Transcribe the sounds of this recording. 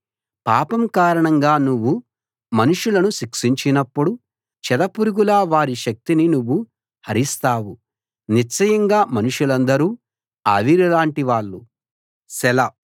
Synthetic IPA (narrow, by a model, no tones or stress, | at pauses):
paːpɐmkaːɾɐɳɐŋɡaːnuʋːu | mɐnuʂulɐnuʃikʂiɲt͡ʃinɐpːuɽu | t͡ʃɛd̪ɐpuɾuɡulaːʋaːɾiʃɐk̚t̪ininuʋːu | hɐɾist̪aːwu | nit͡ʃːɐjɐŋɡaːmɐnuʂulɐnd̪ɐɾuː | a̰ːʋiɾilaːɳʈiʋaːɭːu | sɛlɐ